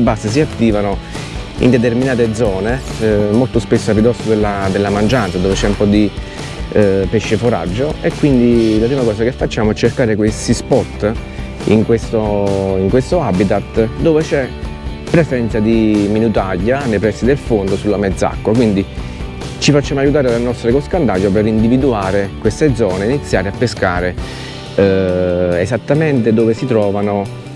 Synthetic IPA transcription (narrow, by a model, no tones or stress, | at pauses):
bːasːəs̬iat̪ːiːvano | ḭnd̪et̪erminaːt̪ed̪zɔːnemolt̪ospesːoapid̪ɔsod̪elːad̪elːamand͡ʒant̪sad̪oːvet͡ʃɛumpɔd̪i | peʃːefoɾa̰d͡ʒːoekːwind̪ilapɾiːmakɔːsakefːat͡ʃːaːmoɛt͡ʃːerkaːɾekwest̪ispɔt̪ː | ḭŋkwest̪oiŋkwest̪oabit̪at̪d̪oːvet͡ʃɛ | pːɾesɛnt̪sad̪iminut̪aʎːanejpɾɛsːid̪elfond̪osulːamed̪zːa̰kːak̬wind̪i | t͡ʃifat͡ʃːaːmoajːut̪aːɾelanɔst̪ɾekoskand̪aʎːopeɾind̪ivid̪uaːɾekwest̪ed̪zɔːneinit̪sːja̰ːɾeapːeska̰ːɾe | ezat̪ːament̪ed̪oːvesit̪ɾɔːvano